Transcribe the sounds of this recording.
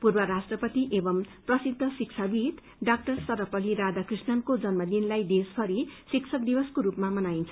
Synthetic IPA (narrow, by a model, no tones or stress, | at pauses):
purbʌɾasʈrʌpʌt̪iʔebʌmprʌsid̪ʱːʌsik̚t͡sʰabit̪ | ɖak̚ʈʌrsʌɾʌpʌliɾad̪akrisnʌnkod͡zʌnmʌd̪inlajd̪esbʱʌɾisiksʰʌk̚d̪ibʌskoɾupmamʌnaint͡sʰʌ̥